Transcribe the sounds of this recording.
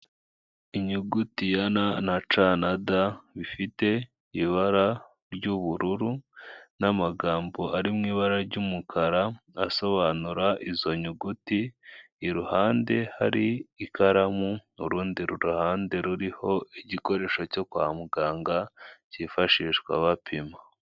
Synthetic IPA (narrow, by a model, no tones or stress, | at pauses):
iɲuɡutijananat͡ʃanadaβifite̞ | iβaɾa | ɾɟuβuɾuɾunamaɡaːmbo̞ʔaɾimŋiːβaɾaɾɟumukʰaɾaaso̞βaːnuɾaʔizo̞ɲuɡutiː | ɾuhaːnde̞ha̰ɾiːkaɾamuuɾuːndiɾuɾuhaːnde̞ɾuɾiho̞iɟiko̞ɾe̞ːʃoco̞kuamuɡaːŋɡacifaʃiːʃkwa̰βapʰima